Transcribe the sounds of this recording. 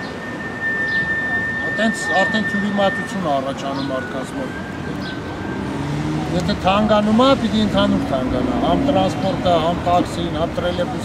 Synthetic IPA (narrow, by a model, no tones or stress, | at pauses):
t̪ɛnt͡sʰɑɾt̪ʰɛnt̪ʰjuɾimɑt̪ut͡sʰjunɑːrɑt͡ʃʰɑnumːɑɾt̪ʰkɑnt͡sʰmɔɾ | jɛt̪ʰɛt̪ʰɑŋɡɑnumɑpit̪iənt̪ʰɑnuɾt̪ʰɑŋɡɑnɑ̰ɦɑmt̪ɾɑnspɔɾt̪əɦɑmt̪ɑksinhɑmt̪ɾɛlɛvus